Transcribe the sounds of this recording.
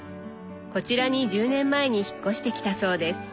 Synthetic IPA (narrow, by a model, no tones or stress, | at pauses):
ko̞t͡ɕiɾaɲ̟id͡ʑɨːnẽ̞mːae̞ɲ̟içi̥kːo̞ɕi̥t̪e̞kʲi̥t̪aso̞ːd̪e̞sɨ̥